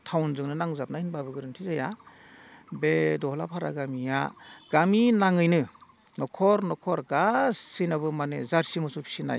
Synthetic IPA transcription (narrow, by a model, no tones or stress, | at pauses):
tʰawnzɯŋnɯnaŋzap̚nahinbabɯɡɯɾɯntʰizaja | bedɔhla̰pʰaɾa̰ɡamijaɡ̥aminaŋɯjnɯ | nɔkʰɔɾnɔkʰɔɾɡasːijnaβɯmanezaɾsimɯsupʰi̥sina̰j